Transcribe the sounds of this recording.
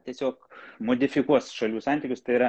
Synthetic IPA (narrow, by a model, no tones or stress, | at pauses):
t̪ʲiɛsʲoːkmoːd̪ʲɪfʲɪkuɔsʃɐlʲuːsɑnʲt̪ʲɪːkʲʊst̪ɐɪiːɾɐ